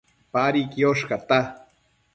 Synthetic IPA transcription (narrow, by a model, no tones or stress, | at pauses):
paɾikioʃkɑt̪a